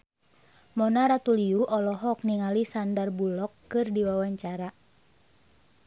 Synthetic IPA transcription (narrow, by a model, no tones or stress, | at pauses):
mɔnaɾat̪uliuʔɔlɔɦɔk̚niŋalisandarbulɔkːɨrdiwawaɲt͡ʃaɾa